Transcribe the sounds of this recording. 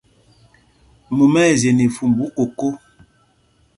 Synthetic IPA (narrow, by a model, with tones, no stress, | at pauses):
mu˨mɛ˦˨ze˨ni˨fu˨mbu˨˦ko˨ko˦